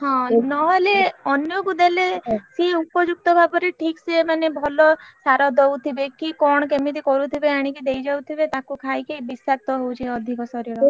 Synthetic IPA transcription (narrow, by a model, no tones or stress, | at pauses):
ɦɔ̃nɔɦɔleɔnjɔkud̪elesiupɔd͡ʒuk̚t̪ɔbʱapɔɾiʈʰiksiemanebʱɔlɔsaɾɔd̪owt̪ʰibekikɔɽ̃ɔkemit̪̬ikɔɾut̪ʰibeaɽ̃ikid̪ejd͡ʒawt̪ʰibet̪akukʰajkebisak̚t̪ɔɦowt͡ʃʰiɔd̪ʱikɔsɔɾiɾɔ